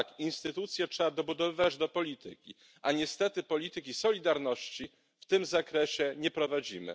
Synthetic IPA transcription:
kinst̪ɘt̪ut̪sʲjɛtʂɛad̪ɔbud̪ɔvɘvad͡ʑd̪ɔpɔlʲit̪ʰɘkʲi | aɲɛst̪ɛt̪ɘpɔlʲit̪ɘkʲisɔlʲid̪aɾnɔɕt͡ɕi | ft̪ɘmzakɾɛɕɛɲɛpɾɔvad͡ʑimɘ̰

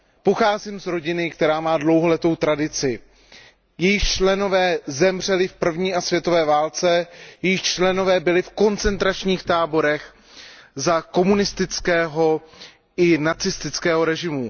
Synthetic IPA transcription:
po̞xaːzimzɾo̞ɟɪnɪkt̪ɛɾaːmaːdlo̞wɦolɛt̪o̞wt̪ɾadɪt͡sɪ | jɛjɪxt͡ʃlɛno̞vɛːzɛmr̝ɛlɪfpr̩vɲiːasvjɛt̪o̞vɛːvaːlt͡sɛjɛjɪxt͡ʃlɛno̞vɛːbɪlɪfko̞nt͡sɛnt̪ɾat͡ʃɲiːxt̪aːbo̞ɾɛx | zako̞munɪst̪ɪt͡skɛːɦo̞ | ɪnat͡sɪst̪ɪt͡skɛːɦo̞ɾɛʒɪmu

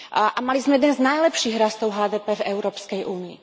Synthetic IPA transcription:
ʔamalizmɛjɛd̪ɛnznajlɛpʃiːɣɾast̪ɔʊɦaːd̪ɛːpɛvɛʊɾɔːpskɛjʔuːniḭ

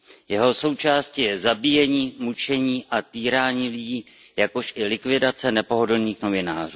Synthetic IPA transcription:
jɛɦo̞so̞wt͡ʃaːscijɛzabijɛɲiːmut͡ʃɛɲiːʔat̪iːɾaːɲiːlɪɟiː | jako̞ʃʔɪlɪkvɪdat͡sɛnɛpo̞ɦo̞dl̩niːxno̞vɪna̰ːr̝uː

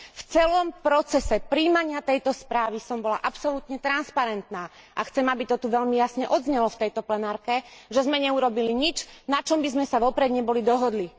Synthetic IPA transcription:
ft͡sɛlɔmpɾɔt͡sɛsɛpɾiːmaɲɪat̪ɛjt̪ɔspɾaːʋisɔmbɔla̰ʔapsɔlut̪ɲɛt̪ɾanspaɾɛnt̪naː | ʔaxt͡sɛmabit̪ɔt̪uʋɛʎmijasɲɛʔɔd̪zɲɛlɔft̪ɛjt̪ɔplɛnaːɾkɛʒɛzmɛɲɛuɾɔbiliɲit͡ʃnat͡ʃɔmbizmɛsaʋɔpɾɛd̪ɲɛbɔlid̪ɔɦɔd̪li

